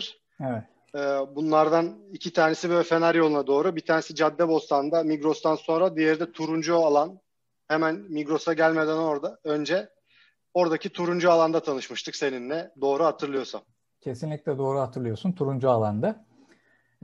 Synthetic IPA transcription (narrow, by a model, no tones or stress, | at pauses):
ɾ̥ | evɛt̪ | ɛːbunlˠaɾd̪anicʰit̪ʰaːnesibølʲɛfe̞naɾjolˠunad̪o̞ːɾubit̪ʰaːne̞sid͡ʒad̪ːɛbo̞st̪ʰannd̪amiɡɾo̞st̪ʰanso̞nɾad̪ijɛɾd̪ɛt̪ʰuɾund͡ʒualˠan | hemænmiɡɾo̞saɟælʲme̞d̪æno̞ɾd̪aø̞nd͡ʒɛ | o̞ɾd̪acʰit̪ʰuɾund͡ʒualˠand̪at̪ʰanɯʃmɯʃt̪ʰɯkse̞ninlʲɛd̪o̞ːɾuhat̪ʰɯɾlˠɯjo̞sam | cʰe̞sinlʲicʲlʲɛd̪o̞ːɾuhat̪ʰɯɾlˠɯjo̞sunt̪ʰuɾund͡ʒualˠand̪a